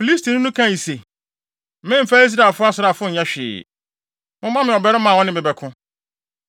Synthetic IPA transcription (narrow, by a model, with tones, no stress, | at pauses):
fi˨li˦stʰi˨nʊ̃˦nʊ̃˦kʰã˦˨i˨se˨˦ | mɪ̃˦m̩˨fa˦i˦s̬ɾa˨fʊ˦a˦sʊ˨ɾa˨fʊ˦ɲ̩˨ɲã˦ɕᶣɪ̰ː˨ | mʊ̃˦mã˦mɪ̃˨ɔ˨bɛ˦ɾɪ˦mã˨wɔ̃˦nɪ̃˦bɪ˨bɛ˨kʰʊ̃˦